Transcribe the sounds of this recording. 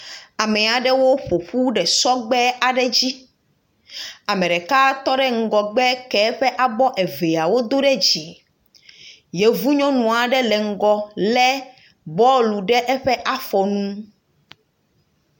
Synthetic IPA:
a˨mɛ˨a˨ɖɛ˦wo˦ɸo˨ɸu˦ɖɛ˨sɔ˦ɡ͡bɛ˦a˨ɖɛ˦d͡ʑi˦ | a˨mɛ̃˨ɖɛ˨ka˦t̪ɔ˦ɖɛ˦ŋ̩˨ɡɔ˨ɡ͡bɛ˦kɛ˦ɸɛ˦ʔa˦bɔ˦ʔɛ˨ve˨a˨wo˦d̪o˦ɖɛ˦d͡ʑi˨ | je˨vu˦ɲɔ̃˦nũ˨a˨ɖɛ˦lɛ˨ŋ̩˦ɡɔ˨lɛ˦ | bɔ˦lu˨ɖɛ˦ʔɛ˦ɸɛ˦ʔa˦ɸɔ˨nũ˦

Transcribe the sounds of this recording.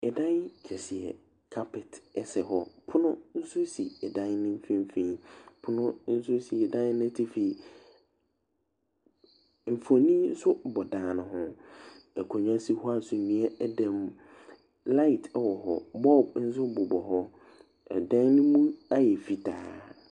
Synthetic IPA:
ɛ˨dã˦nkʰɛ˨si˨ɛ̰˨ | kʰa˦pʰɪ˨tɛ˨sɛ˨ɦɔ˦pʰʊ˦nʊ̃˦n̩˦sʊ˦si˨ɛ˨dã˦nnɪ̃˦m̩˦fĩ˦m̩˦fĩ˦pʰʊ˦nʊ̃˦n̩˦sʊ˦si˨ɛ˨dã˦n˦nã˦tʰi˦fi˨ | m̩˨fo˨nĩ˦n̩˦sʊ˦bɔ˨dã˨nʊ̃˨ɦʊ̃˦ | ɛ˨kʰɔ˨ɲ˦ã˦si˦hɔ˦a˦n˨sʊ˨nĩ˨ɛ˦dã˨m | la˦i˨tʰɛ˨wɔ˨hɔ̰˨bɔ˦˨b̚n̩˦s̬ʊ˦bʊ˨bɔ˨ɦɔ˦ | ɛ̰˨dã˦n˦nʊ̃˦mũ˦a˦jɛ˨fi˨ta̰ː˨˦

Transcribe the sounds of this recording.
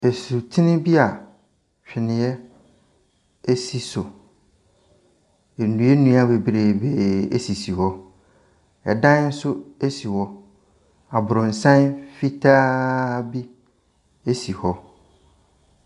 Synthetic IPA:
e˨su˨tʰɪ˦nɪ̃˦bi˦a˨ | ɕᶣɪ˨nɪ̃˨jɛ˦ | e˦si˨sʊ˨ | e˨nũ˨˦ɛ˦nũ˦a˦˨be˨bɾe˨be˦˨ḛ˦si˨si˨hɔ˦ | ɛ˨dã˦n˦n̩˦sʊ˦e˦si˨wɔ˦ | a˨bʊ˨ɾʊ̃˨n̩˨sã˦nfi˦tʰaː˦bi˦ | e˦si˨hɔ˦

